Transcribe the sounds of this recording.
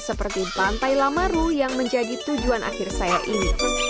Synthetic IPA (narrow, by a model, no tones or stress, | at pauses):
səpərt̪ipant̪ajlamaɾujaŋməɲd͡ʒadit̪ud͡ʒuanʔa̰xɪrsajaʔini